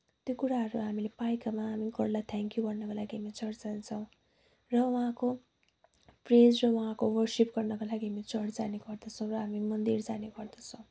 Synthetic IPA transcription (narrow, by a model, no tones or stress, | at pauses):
t̪jokuɾaɦʌɾuɦamilepajkamaɦamiɡʌɽlat̪ʰɛŋkjuɡʌrnʌkolaɡiɦamit͡sʌɽd͡zant͡sʰʌw̃ | rʌwʌɦãko | pred͡zrʌwʌɦãkowʌrsipɡʌrnʌkolaɡiɦamit͡sʌɽd͡zaneɡʌrd̪ʌt͡sʰʌ̃w̃rʌɦamimʌnd̪ird͡zaneɡʌrd̪ʌt͡sʰʌ̃w̃